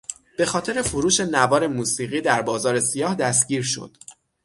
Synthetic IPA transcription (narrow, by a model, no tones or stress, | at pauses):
b̥e̞xɒːt̪ʰe̞ɾe̞foɾuːʃe̞nævɒːɾe̞muːsiːɣiːd̪æɾbɒːzɒːɾe̞sijɒːhd̪æs̬t̪ɟiːɾʃo̞̰d̪̥